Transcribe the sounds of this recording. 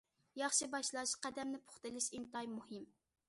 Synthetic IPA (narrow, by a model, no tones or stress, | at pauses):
jɑχʃibɑʃlˠɑʃqæd̪ɛmnɪpʰʊ̥χt̪ɨlɪʃint̪ɑjmuhɪm